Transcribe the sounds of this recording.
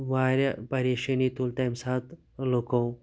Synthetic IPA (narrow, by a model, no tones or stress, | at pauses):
ʋaɾapəɾeɕenit̪ult̪ajmsat̪ | lokow